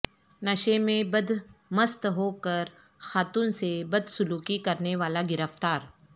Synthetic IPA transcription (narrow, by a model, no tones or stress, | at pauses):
nɐʃemẽbɐd̪mɐst̪ɦoːkɐɾ | xaːt̪uːnsebɐd̪sʊluːkikɐɾneʋaːlaɡɪɾəft̪aːɾ